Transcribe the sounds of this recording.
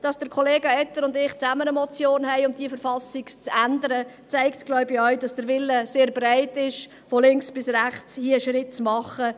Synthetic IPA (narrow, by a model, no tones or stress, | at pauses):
d̥ɑsd̥əɾkʰɔleːɡəɛt̪əɾʊndɪχt͡sæmənəmɔt͡sjoːnhɛɪʊmd̥iəfəɾfɑsɪkt͡sændəɾə | t͡sæɪktɡ̥lɔɥbiœɥdɑsd̥əɾʋɪlːəseːɾbræɪtɪʃ | fɔlɪŋksb̥ɪsræχt͡shiəəʃɾɪtt͡smɑχə